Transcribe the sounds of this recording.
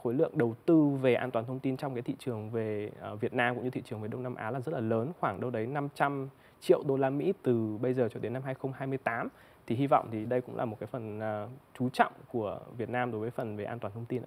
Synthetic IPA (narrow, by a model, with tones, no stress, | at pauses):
xo˨˦jlɨ̰˧˨əŋɗə˨˩wt̪ɨ˧ve˨˩ʔaː˧nt̪waː˨˩nt̪ʰə˧wŋ͡mt̪i˧nt͡ɕɔ˧wŋ͡mkaː˨˦t̪ḭ˧˨t͡ɕɨ˨˩əŋve˨˩˨vi˨˩ət̚naː˧mkʊ̰˧˥ŋ͡mɲɨ˧t̪ʰḭ˧˨t͡ɕɨ˨˩əŋve˨˩ɗə˧wŋ͡mnaː˧mʔa̰ː˨˦laː˨˩zə˦˥t̚laː˨˩ləː˨˦nxwaː˧˩ŋɗə˧wɗə˨˦jna˧mt͡ɕa˧m | t͡ɕḭ˧˨əwɗo˧laː˧mḭ˧˥t̪ɨ˨˩ɓə˧jzəː˨˩t͡ɕɔ˧˩ɗe˨˦na˧mɦaː˧jxə˧wŋ͡mɦaː˧jmɨ˧əjt̪aː˨˦m | t̪ʰi˨˩hi˧vɔ̰˧˨wŋ͡mt̪ʰi˨˩ɗə˧jkʊ̰˧˥ŋ͡mla̰ː˨˩mo˨˩t̚kaː˨˦fə˨˩n˨˩t͡ɕu˨˦t͡ɕɔ̰˧˨wŋ͡mku˧˩əvi˨˩ət̚naː˧mɗo˨˦jvəː˨˦jfə˨˩nve˨˩ʔaː˧t̪waː˨˩nt̪ʰə˧wŋ͡mt̪i˧nʔ